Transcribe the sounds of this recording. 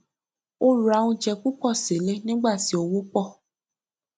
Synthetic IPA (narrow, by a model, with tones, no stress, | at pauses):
o˦ɾu˨a˧˦wũ˧d͡ʒɛ˧ku˦k͡pɔ˦˨se˨˦le˦nĩ˦ɡ͡ba˦˨ti˨˦o˧wo˦k͡pɔ˦˨